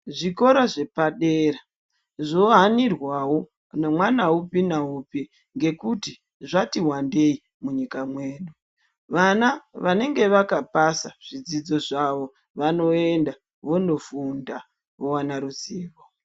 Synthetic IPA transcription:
ʐiko̞ɾaʐe̞paɗeːɾa | ʐoɦanirwawo̞ | nemwanaupinaupi | ŋɡe̞kuti | ʐatiwande̞i | muɲikamweːɗu | ʋanaʋane̞ŋɡe̞ʋakapasaʐ̥id͡zid͡zo̞ʐaʋo̞ | ʋano̞e̞nda | ʋo̞ndo̞funda | ʋowanaɾuziːβo

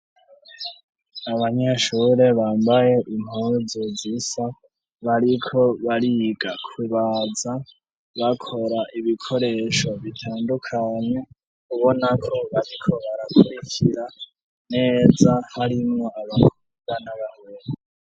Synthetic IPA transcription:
aβaɲeʃuːɾe̞βaːmbaje̞ʔim̥hozozisa | βaɾikʰo̞βaɾiɡakʰuβad͡za | βakʰo̞ɾaʔiβikʰo̞ɾe̞ʃo̞βitʰaːndukʰaɲe | kuβo̞nakʰo̞βaɾikʰo̞βaɾakʰuɾicʰiɾa | ne̞ːzahaɾimŋoaβakʰu | ɡanaβaweɾe

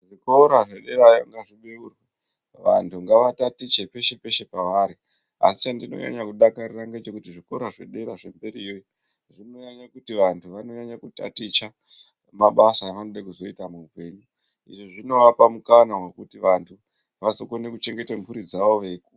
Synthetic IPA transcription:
ʐiko̞ɾaʐeɗe̞ɾajaŋɡaʐiɓe̞urwe | ʋa̰ntʰuŋɡaʋatatit͡ʃe̞pe̞ʃe̞pe̞ʃe̞paʋaɾi | a̰si̥andino̰ɲa̰ɲakuɗakaɾiraŋɡet͡ʃe̞kutiʐiko̞ɾaʐe̞̰ɗe̞ɾaʐe̞mbe̞ɾiːjoji | ʐino̞ɲaɲakutiʋantʰuʋano̞ɲaɲakuta̰tit͡ʃa | maɓasaʋanoɗakuzo̞itamuːpe̞ɲu | ḭʐoʐino̞ʋapamukanawekutiʋantʰu | ʋasokone̞kut͡ʃe̞ŋɡe̞tempuɾid͡zaʋo̞ʋe̞ku

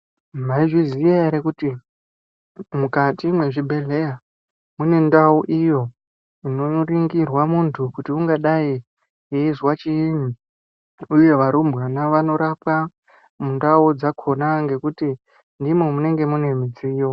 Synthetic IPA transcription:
maiʐiziaeɾekuti | mukatimwe̞ʐibʱe̞ɮe̞ja | mune̞ndauʔijo̞ | inoriŋɡirwamuntʰukutiuŋɡaɗai | ezwat͡ʃiːɲi | uje̞ʋaɾumbɣanaʋano̞ɾapa | mundaud͡zakʰo̞naŋɡe̞kuti | ndimomune̞ŋɡe̞mune̞mid͡zijo

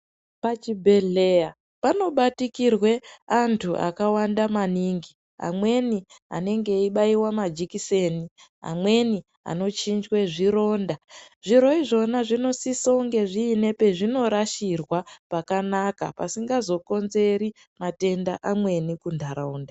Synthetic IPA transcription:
pat͡ʃibʱe̞ɮe̞ja | pano̞ɓatikirwe̞antʰuʔa̰kawandamaniŋɡi | a̰mwe̞ni | a̰ne̞ŋɡe̞iɓaiwamad͡ʒikise̞ːni | a̰mwe̞ni | a̰no̞t͡ʃind͡ʒwe̞ʐiɾo̞ːnda | ʐiɾo̞iʐo̞naʐino̞sisouŋɡe̞ʐiːne̞pe̞ʐino̞ɾaʃirwapakanaka̰pasiŋɡazo̞ko̞nze̞ɾi | mate̞ndaʔamwe̞nikundʱaɾauːnda

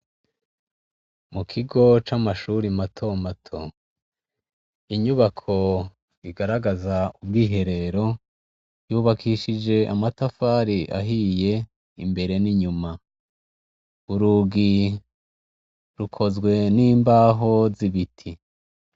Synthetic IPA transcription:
mukʰiɡo̞t͡ʃamaʃuɾimatʰomatʰo | iɲuβakʰo̞ | iɡaɾaɡazaub̚ɡiːɦe̞ɾe̞ɾo̞ | juːβakʰiʃid͡ʒe̞ʔamatafaːɾiʔa̰ɦije̞ | imbe̞ɾe̞niɲuma | uɾuːɡi | ɾukʰo̞zɡwe̞niːmbaːɦo̞ziβitʰi

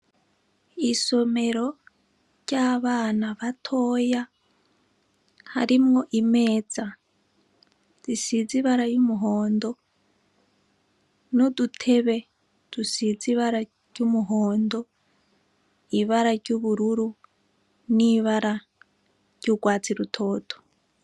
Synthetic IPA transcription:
iso̞me̞ɾo̞ | ɾɟaːβaːnaβatʰoːja | ha̰ɾimŋo̞ʔimeːd͡za | z̥isiziβaɾajumuɦoːndo̞ | nodutʰeβe̞ | d̥usiziβaɾa | ɟ̥jumuɦoːndo̞ | iβaɾaɾɟuβuɾuɾu | niβaɾa | ɟ̥joɡwaːt͡siɾutʰo̞ːtʰo̥

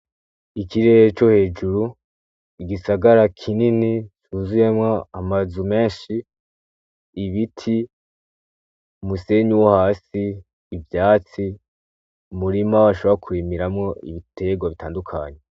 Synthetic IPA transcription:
ikiɾeet͡ʃo̞he̞ːd͡ʒuɾu | iɡisaɡaɾakʰininit͡ʃuzuje̞mwaamazume̞ːnʃi | βitʰi | umuse̞ɲuwohaːsiː | vjaːt͡si | umuɾimaβaʃ̬o̞βoɾakʰwimiɾamŋo̞ʔḭβitʰe̞ɡwaβitʰaːndukʰaːɲe

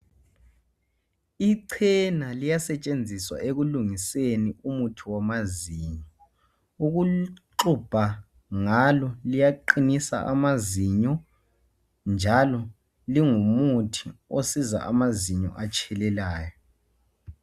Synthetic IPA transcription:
iǀʰɛnalijasɛt͡ʃʼend͡zʱiswa̰ʔeɣuluŋiseniumutʰiwamaziɲɔ | uɣuǃub̥ʱa | ŋalɔlijaǃinisa̰ʔa̰maziɲɔ | nd͡ʒʱalɔ | liŋumutʰiosiza̰ʔamaziɲɔ̰ʔat͡ʃʼʰɛlɛlaːjɔ

